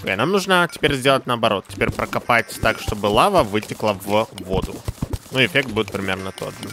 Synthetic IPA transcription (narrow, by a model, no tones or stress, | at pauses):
ḛnamnuʐnətʲɪ̥pʲeɾʲzʲdʲelˠətʲnəɐɐbɐɾo̞t̪̚tʲɪ̥pʲeɾʲpɾəkɐpatʲt̪akʂt̪o̞bɨlˠavəvɨtʲɪklˠəvvo̞d̪ʊ̰nuɪfʲek̚t̪̚budʲɪt̪̚pɾʲɪmʲe̞rnət̪o̞̰dʐɨ